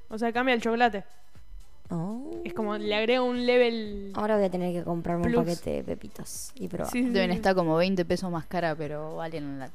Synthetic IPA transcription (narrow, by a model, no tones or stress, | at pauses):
o̞seakambjaelt͡ʃokolat̪e | oesko̞moleaɣɾeɣounleβela̰oɾaβojat̪eneɾkeko̞mpɾʔaɾmumlupaket̪ḛḛpḛpit̪os | ipɾo̰βaadeβjenet̪ako̞moβejnt̪e̞pesohmahkaɾapeɾo̞aljenanlat̪